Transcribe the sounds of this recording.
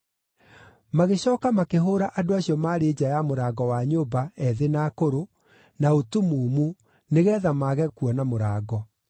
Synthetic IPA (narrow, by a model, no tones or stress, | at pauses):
maɣeɕɔːkamakeɦoːɾaʔadoaɕiɔmaːɾeːd͡ʑajamoɾaːɡɔwaɲoːbaɛðenakoɾo | naotumuːmu | neɣɛːðamaːɣɛkuɔnamoɾaːɡɔ